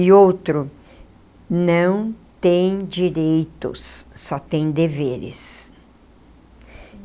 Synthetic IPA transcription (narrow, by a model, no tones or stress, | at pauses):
ɪowt̪ɾʊ | nɐ̃w̃t̪ẽj̃d͡ʒiɾejt̪ʊ̰sːɔt̪ẽj̃d̪eveɾɪ̰s